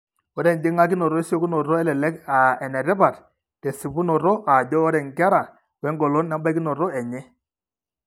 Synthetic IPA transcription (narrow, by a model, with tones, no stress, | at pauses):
ɔ˦ɾɛ˨n˨dɪ˦ŋa˦k̬i˦nɔ˨ɾɔ˦e˦sjo˦ku˦nɔ˨ɾɔ˦ɛ˦lɛ˨lɛ˦ka˨ɛ˨nɛ˨ɾɛ˦pa˨t | tɛ˨si˨pu˦nɔ˨ɾɔ˦ʔa˨dɔ˦ɔ˦ɾɛ˨ŋ˨ka˦ɾa˨ | wɛ˨˦ŋɡɔ˨lɔ˦nːɛ˦mba˦ki˦nɔ˨ɾɔ˦ɛ˨ɲɛ˦